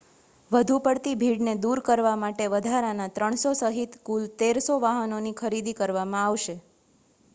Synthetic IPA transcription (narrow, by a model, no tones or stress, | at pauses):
ʋəd̪ʱupəɽt̪ibʱiɽned̪uɾkəɾʋamaʈeʋəd̪ʱaɾanat̪ɾəɳ̃sosəɦit̪kult̪eɾsoʋaɦənonikʰəɾid̪ikəɾʋamãaʋʃe